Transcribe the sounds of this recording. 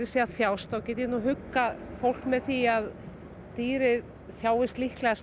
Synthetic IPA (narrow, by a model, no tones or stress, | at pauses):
ɾɪsiaðθjaːwst̪awcɛːt̪ɪnuɦʏkːafowl̥kmɛðθiað | t̪iːɾɪð | θjaːwɪst̪lihklɛɣas